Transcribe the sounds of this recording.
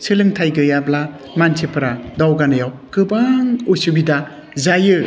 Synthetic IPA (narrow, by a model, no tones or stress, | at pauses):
sɯlɯŋtʰajɡɯjabla | mantʰipʰɐɾadawɡanɯjawkɯbaŋojsubida | zajɯ